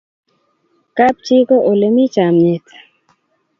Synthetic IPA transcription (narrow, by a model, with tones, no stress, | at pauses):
ka˦p̚t͡ʃi˦ko˦ʔo˨le˨mi˦t͡ʃa˨mɲɪ˨t